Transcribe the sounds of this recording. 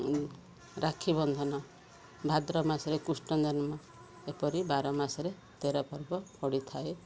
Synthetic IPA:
ɾakʰibɔnd̪ʱɔnɔ | bʱad̪ɾɔmasɔɾekusʈɔnd̪ɔnmɔ | epɔɾibaɾɔmasɔɾe | t̪eɾɔpɔɾbɔpɔɽit̪ʰae

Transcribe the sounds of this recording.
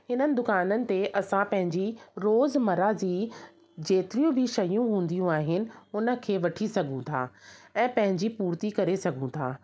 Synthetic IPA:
hɪnənɪ̆d̪ʊkaːnənɪ̆t̪eʔɐsãpɐ̃ɦɪ̃ɲd͡ʑiɾoːzmɐɾad͡ʑiː | d͡ʑeːt̪ɪɾijũbʱɪʃɐjũɦũːn̆d̪ijũaːɦɪnɪ̆ʊnə̆kʰeːʋɐʈʰisɐɡʱũt̪ʰa̰ːɛ̃ːpɐ̃ɦɪ̃ɲd͡ʑipuːɾt̪ikɐɾesɐɡʱũt̪ʰa̰ː

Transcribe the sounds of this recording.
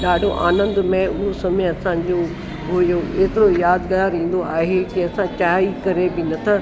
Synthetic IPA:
ɗaːɖʱoʔa̰ːnə̃nd̪mẽʊɦosɐmeɐsãd͡ʑo | ɦʊjoeːt̪ɪɾojaːd̪ɡaːɾĩːn̆d̪oaːɦekiɐsãt͡ɕaːikɐɾebɪnɐt̪ʰã

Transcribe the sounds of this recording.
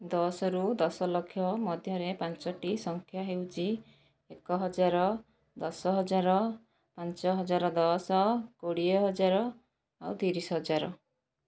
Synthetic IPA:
d̪ɔsɔɾud̪ɔsɔlɔkʰːjɔmɔd̪ʱjɔɾepant͡ʃɔʈisɔŋkʰjaɦewt͡ʃʰi | ekɔɦɔd͡ʒaɾɔ | d̪ɔsɔɦɔd͡ʒaɾɔ | pant͡ʃɔɦɔd͡ʒaɾɔd̪ɔsɔkoɽiɔɦɔd͡ʒaɾɔ | awt̪iɾisɔɦɔd͡ʒaɾɔ

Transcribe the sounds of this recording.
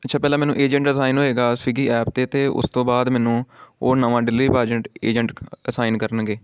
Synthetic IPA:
ətːʃʰãːpɛːlaːmɛːnũːʔeːd͡ʒəɳʈəsaːɪnɦoːeːɡaːsɪɡiːɛːpt̪eːt̪eːʔʊ̰st̪õːbaːd̪mɛːnũːoːnəʋãːɖɪliːpaːd͡ʒəɳʈeːd͡ʒəɳʈəsaːɪnkəɾənɡeː

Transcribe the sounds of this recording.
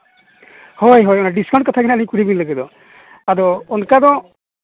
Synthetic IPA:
hɔjɦɔjɔnaɖiskaw̃ntkɔt̪ʰakʰnaalikuɾibiniləɡɛd̪ɔ | adɔɔnkad̪ɔ

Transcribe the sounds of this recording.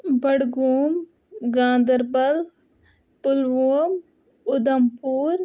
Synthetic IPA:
bɐɽɡuːm | ɡãːnd̪ɐɾbɐl | pʊlʋoːm | ʊd̪ɐmpuːɾ

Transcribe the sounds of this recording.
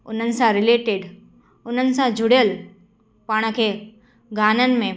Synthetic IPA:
ʊn̤ənɪ̆sãɾɪleːʈeɖ | ʊn̤ənɪ̆sãd͡ʒʱʊɽjəl | paːɽ̃kʰeː | ɡaːnənɪ̆mẽ

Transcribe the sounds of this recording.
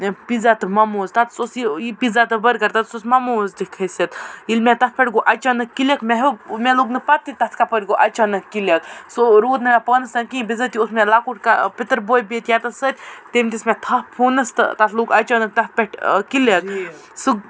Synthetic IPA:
pid͡zat̪ɨmɐmoːzt̪ɐt̪sosiipid͡zat̪ɨbəɾɡɐɾt̪ɐt̪sosmɐmoːzd̪ikʰɐjset̪ilmʲɛt̪ɐt̪̚ʰpʲɛʈɡoʔat͡ʃaːnɐkːilekmɛɦomɛloɡnɨpɐt̪ːit̪ɐt̪ʰkapəʈʲɡoʔat͡ʃaːnɐkːilek̪̚soɾoːd̪nɨɡapəːnɐsnɐnkĩbizət̪iot̪ʰmɛlakuʈkapit̪ɾbojbet̪jat̪ɐsət̪ʲt̪emʲt̪ismʲɛt̪ʰɐhpʰonɐst̪ɨ̰t̪ɐt̪ʰloɡat͡ʃanɐk̚t̪ɐɦpʲɛʈʰkilet | suɡ

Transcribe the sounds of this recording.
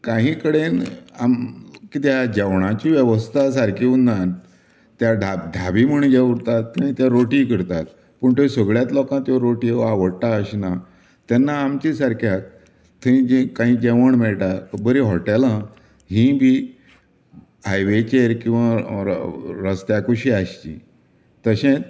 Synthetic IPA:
kãɦĩːkəɽenamkit̪jad͡ʑɛʋɳat͡ɕiːʋjəʋəst̪ʰas̬aɾkʰiunːan | t̪jadʱad̪ʱabiməɳd͡ʑeʋɽt̪at̪ːanĩt̪jaɾoʈikəɾt̪at̪̚ | pəɳt̪jsəɡɭjat̪lɔkãt̪joɾoʈiaʋəɽt̪aəɕina | t̪janːaːmt͡ɕisaɾkʰjak̚ | t̪ʰəĩd͡ʑikãɦĩːd͡ʑɛʋəɳmɛɭʈ̪abəɾiɦɔʈɛlã | ɦĩbʱiː | ɦajʋet͡ɕeɾkĩw̃ʋa̰ | ɾəst̪jakuɕiaɕt͡ɕḭ̃ | t̪əɕẽ

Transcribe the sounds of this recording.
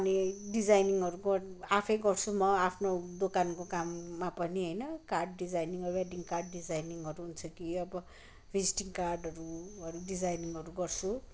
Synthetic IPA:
ʌniɖid͡zajniŋʌɾuɡʌapʰʌjɡʌrt͡sʰumʌapʰnod̪okankokamːapʌniɦʌjnʌkarɖ̚ːid͡zajniŋʌɾueɖiŋkarɖɖid͡zajniŋʌɾuɦunt͡sʰʌkiʌbʌ | pʰid͡ziʈiŋkarɖʌɾuʌɾuɖid͡zajniŋʌɾuɡʌrt͡sʰu

